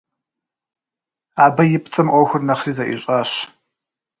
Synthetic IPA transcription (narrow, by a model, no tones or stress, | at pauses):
aːbɐjɪpʰt͡sʼɨmʔʷʼɔxʷʊrnɐχriːzɐʔḭɕʼaːɕ